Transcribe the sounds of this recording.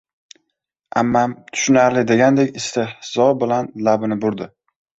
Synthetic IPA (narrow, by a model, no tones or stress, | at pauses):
a̰mːamt̪ʰʊ̥ʃʊnaɾlɪd̪e̞ɡʲand̪ekʲɪst̪ɪhz̥ɒbɪlanlabɪnɪbʊɾd̪ɪ